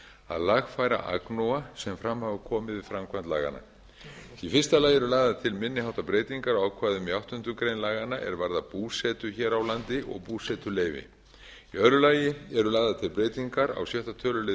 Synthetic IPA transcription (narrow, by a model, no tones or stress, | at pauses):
a̰ðlaɣfaːjɾa̰ʔa̰knowasɛmfɾamhavʏkʰɔːmɪðvɪfɾamkʰvant̪la̰ːɣa̰na̰ | ifɪrst̪alaːjɛɾʏlaːɣðat̪ʰɪlmɪnːɪhawt̪apɾeːjt̪iŋkaɾawaːwkʰvaːðʏmiawht̪ʏnt̪ʏkɾejnlaːɣanaʔɛ̰ɾvaɾðapuːsɛt̪ʏçɛːɾawlant̪ɪʔɔ̰ɣpuːsɛt̪ʏleːjvɪ̰ | iœðɾʏlaːjɪɛɾʏlaːɣðat̪ʰɪlpɾeːjt̪iŋkaɾa̰wsjœht̪at̪ʰœːlʏle